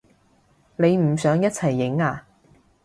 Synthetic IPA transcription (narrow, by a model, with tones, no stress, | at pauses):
ne˨˧jm̩˨˩sœː˨˥ŋjɐ˥t̚t͡sʰɐ˨˩jːɪ˨˥ŋaː˧